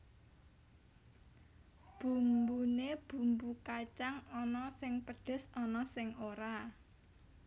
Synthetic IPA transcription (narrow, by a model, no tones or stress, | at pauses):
b̥ṳmbuneb̥ṳmbukat͡ʃaŋɔnɔsɪŋpəɖ̪̥ɛ̤sɔnɔsɪŋoɾa